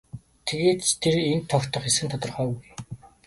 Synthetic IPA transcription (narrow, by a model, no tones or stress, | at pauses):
t̪ʰeɣeːt̪t̪ʰeɾent̪ʰːɔkt̪ʰɞ̆χesɘ̆nt̪ʰɔt̪ɞ̆rχœːɣuj